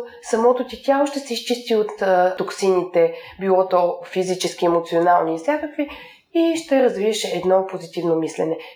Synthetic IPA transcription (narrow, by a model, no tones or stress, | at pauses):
sɐmɔt̪ot̪it̪ʲjalˠoʃt̪ɛsɛist͡ʃist̪iot̪ːoksinit̪ɛbilˠɔt̪ofizit͡ʃɛsk̟iɛmot̪sionalˠniːsʲakəkvi | iʃt̪ɛɾɐzviɛʃɛːd̪nɔpozit̪ivnomislɛnɛ